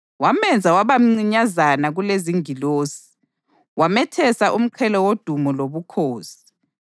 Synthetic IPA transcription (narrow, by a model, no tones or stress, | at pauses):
wamɛnd͡zʱawaβam̩ŋ͡ǀiɲazanaɣuleziŋiloːsi̥ | wamɛtʰɛsaʔum̩ǃʰɛlɔwod̥ʱumɔloβukʰoːsi̥